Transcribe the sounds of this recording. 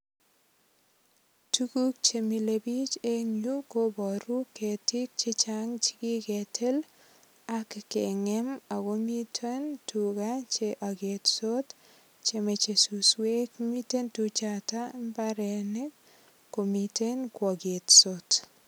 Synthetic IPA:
tukuk̚t͡ʃemilebit͡ʃeɲukobɔɾuketɪk̚t͡ʃet͡ʃaŋt͡ʃɪ̥kɪketʰel | akːeŋɛmakomitʰentukat͡ʃeʔaɡetsot | t͡ʃemet͡ʃesuswekmitentut͡ʃatambaɾene | komitenkɔɡetsot

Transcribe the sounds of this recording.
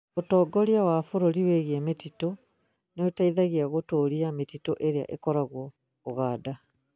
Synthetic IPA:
otɔːɡɔɾjawafoɾoɾiweɣiemetito | neotaiðaɣiaɣotoːɾiametitoʔeɾea̰ʔekɔɾaɣwɔː | ɣaːda

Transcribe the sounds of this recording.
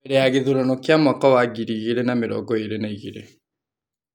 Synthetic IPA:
eɾeaɣeðuɾɔnokjamakɔwaɡiɾiɣiɾenameɾɔ̰ːɡɔeɾenaiɣiɾḛ

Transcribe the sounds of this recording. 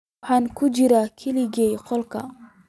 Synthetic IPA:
hankʰud͡ʒiɾakʰiliɡejqolka̰

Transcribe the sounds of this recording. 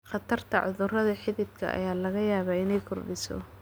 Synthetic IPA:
χɑt̪ʰɐrt̪ʰɐ̰ʕʊðʊrɐðɐħɪðɪd̪kʰɐ̰ʔɐ̰jaːlɐɣɐjaːβaːɪnɛjkʰʊrɖɪsɔ̰

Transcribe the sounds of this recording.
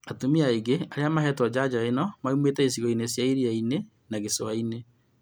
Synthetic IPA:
atomiaeɡeaɾeamaɦɛtwɔd͡ʑad͡ʑaenɔmaumwetɛesiɣɔinesjaiɾiaine | naɣesoaine

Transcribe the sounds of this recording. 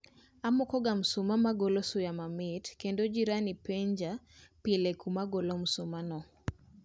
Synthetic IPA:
amɔkɔɡam̩sumamaɡolosʊjamamɪtkendod͡ʒiɾanipeɲd͡ʒapilekumaɡolomsumanɔ

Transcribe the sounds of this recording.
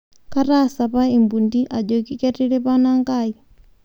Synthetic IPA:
kaɾasapaimbundiʔad͡ʒokikɛɾiɾɛpanaŋɡai

